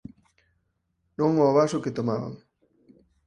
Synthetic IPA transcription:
nõŋɔːβasʊket̪omaβa̰ŋ

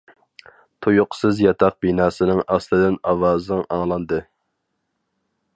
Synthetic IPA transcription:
t̪ʰojʊqsɨzjɑt̪ʰɑq̚binɑːsɨnɪŋɑslˠɨd̪ɪnɑwɑːznɨŋʔɑŋlˠɑnd̪ɨ

